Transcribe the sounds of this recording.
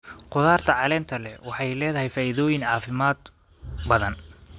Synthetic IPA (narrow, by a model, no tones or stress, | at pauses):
qʊðaːrt̪ʰɐʕɑlɛːnt̪ʰɐlɛwɑħɑjlɛːðɐɦɛjfaːiðɔːjɪŋʕɑːfɪmaːd̪ | bɐðɐn